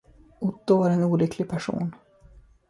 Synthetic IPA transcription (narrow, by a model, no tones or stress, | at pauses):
ʊt̪ːʊvaɾɛnuːlʏkʰlɪɡ̚pʰæʂṵːn